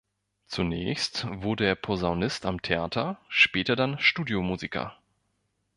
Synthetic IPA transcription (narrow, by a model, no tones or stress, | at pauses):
t͡sunɛ̰ːçstvʊɐdəeːɐpʰozaʊnɪstamtʰeʔaːtʰɐʃpɛːtɐdanʃtuːdjomuːzikɐ̰